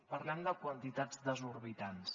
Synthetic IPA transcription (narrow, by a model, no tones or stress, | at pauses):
pəɾlɛmd̪əkwənt̪it̪ad͡zd̪əzuɾβit̪ans